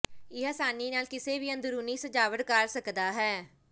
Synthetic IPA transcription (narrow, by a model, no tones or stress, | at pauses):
ɪɦasaːniːnaːlkɪseːbiːə̃nd̪ɾuːniːsəd͡ʒaːʋəʈkəɾsəkd̪aːɦɛː